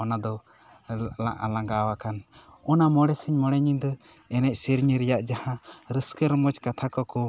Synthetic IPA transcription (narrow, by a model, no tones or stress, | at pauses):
ɔnad̪ɔ | laʔalãŋɡawakanɔnamɔɽɛsəɲmɔɽɛɲid̪ɔ | ɛnɛc̚siɾɲiɾɛjaʔd͡ʒahãɾəskəɾmɔt͡ʃkat̪ʰakɔkɔ